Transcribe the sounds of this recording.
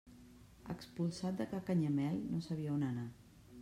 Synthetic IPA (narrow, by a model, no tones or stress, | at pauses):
ə̰kspulˠsat̪̚d̪əkakaɲəmɛʎnosəβiəonəna